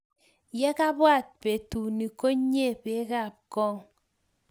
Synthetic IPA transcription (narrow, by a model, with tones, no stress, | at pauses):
jɛ˦ka˦bwa˦˨t̚pe˨tu˨ni˨ko˦ɲe˦˨pe˦ka˦˨p̚kɔ˦ŋ